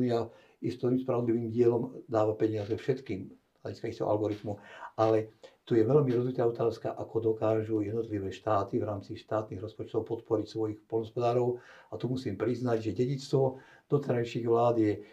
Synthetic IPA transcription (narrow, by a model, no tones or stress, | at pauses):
nia | ist̪ɔɾimspɾaʋɔd̪liʋiːmɟɪɛlɔmd̪aːʋapɛɲɪazɛfʃɛt̪kiːm | z̥la̰ɟiskaixt̪ɛɦɔ̰a̰lɡɔɾit̪muʔalɛt̪ujɛʋɛlmiɾɔzʋit̪aːɔt̪aːskaʔakɔd̪ɔkaːʒujɛd̪nɔt̪liʋɛːʃt̪aːt̪ivɾaːmt͡siʃt̪aːt̪niːɣɾɔspɔt͡ʃt̪ɔʊpɔt̪pɔɾicsʋɔjixpɔlnɦɔspɔd̪aːɾɔʊat̪umusiːmpɾiznaɟʒɛɟɛɟit͡st̪ʋɔ | d̪̥ɔt̪ɛɾajʃiɣʋlaːd̪jɛ